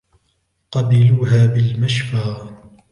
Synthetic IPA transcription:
qɑbɪluːɦaːbɪlmaʃfaː

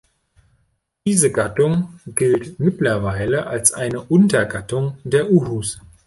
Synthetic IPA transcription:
d̥iːzəɡatʊŋɡ̥ɪltmɪtlɐvaɪləʔalsʔaɪnəʔʊntɐɡatʊŋdeːɐʔuɦus

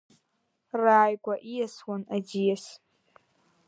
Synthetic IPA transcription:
raːjɡʷaʔijaswanad͡ʒijas

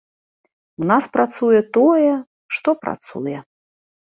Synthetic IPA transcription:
wnaspɾat̪sujɛt̪ɔjɛ | ʂt̪ɔpɾa̰t̪sṵjɛ

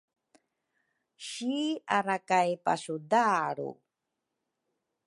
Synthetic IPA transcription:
ɕiaɾakajpa̰sudaɾṵ

